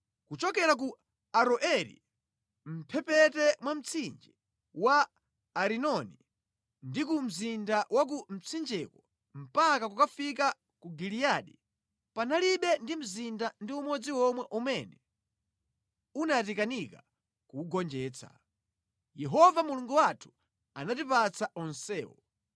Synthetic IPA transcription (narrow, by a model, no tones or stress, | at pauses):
kut͡ʃɔkɛɾak̬u | aɾɔʔɛɾḭ | m̩pʰɛpɛtɛmwam̩t͡sʰind͡ʒi | waː | ɾinɔni | ndikum̩zindawak̬um̩t͡sʰind͡ʒɛkɔ | m̩pakakukafika | kuɡilijaɗi | panaliɓɛndim̩zindandiumɔd͡ziwɔmwɛʔumɛnɛ | unat̬ikanika | kuːɡɔnd͡ʒɛːt͡sʰḁ̰ | jɛɦɔvamuluŋɡuwatʰu̥ | anatipat͡saʔɔnsɛːwɔ̰